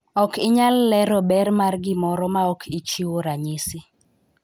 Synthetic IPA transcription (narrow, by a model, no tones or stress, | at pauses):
ɔkɪɲalːɛɾɔbɛɾmarɡɪmɔɾɔmaɔkʰɪt͡ʃiwoɾaɲɪsɪ